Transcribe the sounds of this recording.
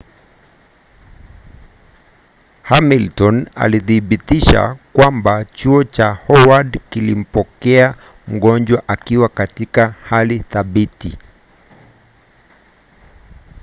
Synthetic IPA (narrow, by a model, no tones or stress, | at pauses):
hamiltɔna̰liθiɓitiʃa̰kwambat͡ʃuɔt͡ʃahɔwadkilim̩pɔkɛa | m̩ɠɔnd͡ʒwaʔakiwakatikahaliθaɓiti